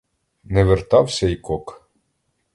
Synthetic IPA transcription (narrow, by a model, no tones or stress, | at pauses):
nɛʋert̪ɑwsʲɐjkɔk